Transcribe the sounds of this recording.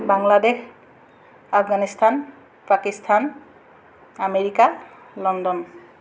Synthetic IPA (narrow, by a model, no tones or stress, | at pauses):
baŋladex | apʰɡanistʰan | pakistʰan | ameɹika | lɔndɔn